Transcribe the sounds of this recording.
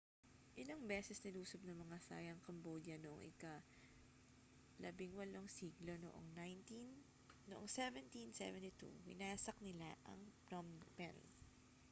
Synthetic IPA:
ʔɪlɐŋbɛːsɛsnɪluːsob̚nɐmɐŋasa̰ːjɐŋkɐmbod̪jɐnoʔoŋʔɪ̰ka | lɐbɪŋwɐlo̞ŋsiːɡlo̞no̰ʔo̰ŋnajnt̪inː | oʔoŋsɛvɛnt̪insɛ̰vɛnt̪it̪ṵwɪ̰naːsɐk̚nɪla̰ʔɐ̰ŋpɾompɛ̰n

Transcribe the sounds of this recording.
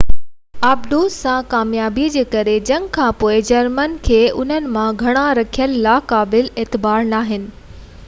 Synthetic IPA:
abd̪usãkaːmjaːbid͡ʑeːkɐɾed͡ʑɐ̃ŋɡkʰãpoːɪd͡ʑɐɾmənkʰeːʔʊn̤ənɪ̆mãɡʱɐɽ̃aɾɐkʰijəlːaːkaːbɪleːt̪ɪbaːɾnaːɦɪnɪ̆

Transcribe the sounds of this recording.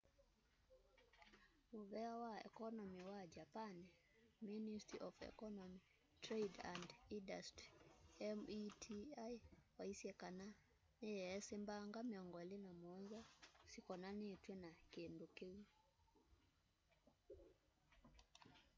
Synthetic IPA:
muβɛawaɛ̰kɔnɔmiwad͡ʒapanɛ | ministɾiʔɔfɛ̰kɔnɔmi | tɾejdandindastɾiɛmitʰiajwaisiɛkana | nejɛɛsembaŋɡamiɔŋɡɔɛlinamɔnzɔsikɔnanetwɛnakendokewi

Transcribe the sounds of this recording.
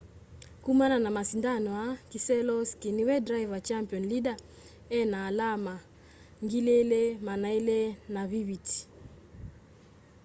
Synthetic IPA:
kumananamasindanɔakisɛlɔskiniwɛdɾaivat͡ʃampiɔnliɡa | ɛnaːlama | ŋɡilelemanailenaviwiti̥

